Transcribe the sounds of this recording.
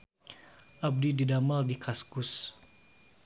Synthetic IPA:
ʔab̚dididamaldikʰaskʊs

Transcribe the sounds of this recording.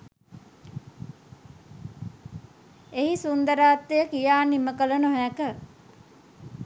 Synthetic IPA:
eɦisund̪əɾaːt̪ːejəkijaːniməkələnoɦækə

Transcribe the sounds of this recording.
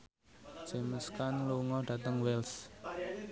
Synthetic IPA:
d͡ʒ̥ɛ̤məskanluŋɔɖ̥ä̤t̪əŋwɛls

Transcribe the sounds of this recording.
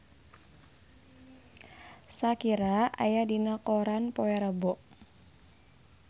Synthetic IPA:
sakiɾaa̰jadinakɔɾanpɔwɛɾəbɔʔ

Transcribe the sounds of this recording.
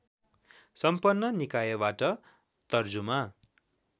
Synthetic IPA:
sʌmpʌnːʌnikajʌbaʈʌ | t̪ʌrd͡zuma

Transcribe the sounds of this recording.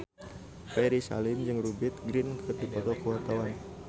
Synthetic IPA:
pɛɾisa̰lɪmd͡ʒɨŋrubɪt̪̚ɡɾɪnkʰɨrdipɔt̪ɔkəwart̪awan

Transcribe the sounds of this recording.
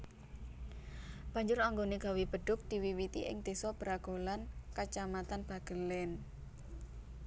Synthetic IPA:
b̥ä̤ɲd͡ʒʊɾaŋɡoneɡ̥a̤wib̥əɖ̥ʊk̚d̪̥i̤wiwit̪ḭʔɪ̰ŋd̪̥esɔb̥əɾaɡ̥olankat͡ʃamat̪anb̥a̤ɡ̥əlɛn

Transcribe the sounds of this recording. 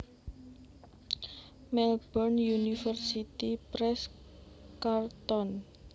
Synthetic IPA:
mɛlbɔrnjunifərsit̪ipɾɛs | kart̪ɔn

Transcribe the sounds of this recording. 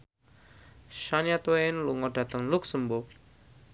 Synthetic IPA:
ʃanjat̪wenluŋɔɖä̤t̪əŋluksəmbʊk̚

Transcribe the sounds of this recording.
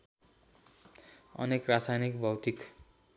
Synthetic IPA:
ʌ̰nekrasajnikbʱʌwt̪ik

